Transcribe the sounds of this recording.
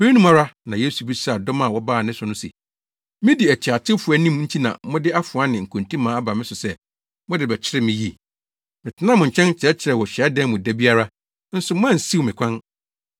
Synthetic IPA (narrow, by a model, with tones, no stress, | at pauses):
be˦i˦nũ˦ma˦ɾa˦nã˨je˦su˨bi˦sa˦a˨dɔ˦mã˨wɔ˦baː˦˨nɪ̃˦sʊ˨nʊ̃˦sḭ˨ | mɪ̃˦di˨æ˨t͡ɕʰa˨tʰɪ˦fʊ˨a˦nĩ˦m˦n̩˦tʰi˦nã̰˨mʊ̃˦dɪ˦a˦fʊ˨a˦nɪ̃˨ŋ̩˨kʰũ˨ntʰĩ˦mãː˨˦a˦ba˨mɪ̃˦sʊ˨sɛ˦ | mʊ̃˦dɪ˨bɛ˨t͡ɕʰɪ˦ɾɛ˦mɪ̃˨ji˦ | mɪ̃˨tʰɪ˦nã˦mʊ̃˨ɲ̩˨t͡ɕʰɛ̃˦n˦t͡ɕʰɪ˨ɾɛ˦t͡ɕʰɪ˨ɾɛ˨wɔ˨ɕᶣɛ˨a˦dɛ̃˦n˦mʊ̃˨dæ˦bi˦a˦ɾa˦ | n̩˦sʊ˨m˦ã˦n̩˨si˦wmɪ̃˨kʰʷã˦n